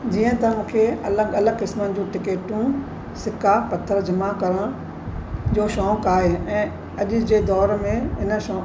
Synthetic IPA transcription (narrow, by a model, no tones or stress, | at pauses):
d͡ʑiːə̃t̪ɐmũːkʰeɐləɠɐləɡkɪsmənd͡ʑũːʈɪkeːʈũ | sɪkapɐt̪ʰːəɾd͡ʑʱɐmakɐɾə̃ | d͡ʑoːʃɔ̃ːkaːɦeɛ̃ː | ɐʄʊ̆d͡ʑeːd̪ɔːɾmẽɦɪnə̆ʃɔ̃